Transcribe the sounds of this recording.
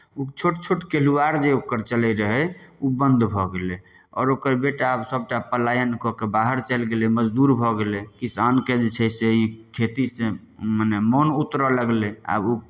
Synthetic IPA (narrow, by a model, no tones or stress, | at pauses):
ut͡ʃʰoʈt͡ʃʰoʈkeluaɾd͡ʒeokəɾt͡ʃəlɛɾəɦɛubə̃nd̪bʱɔɡele | ɔ̰ːɾokəɾbeʈaabsəb̚ʈapəlajənkɔkebaɦəɾt͡ʃəlɡeleməd͡ʒd̪uɾbʱɔɡelekisanked͡ʒet͡ʃʰɛseikʰet̪isẽ | mənɛmɔnut̪ɾələɡlea̰bu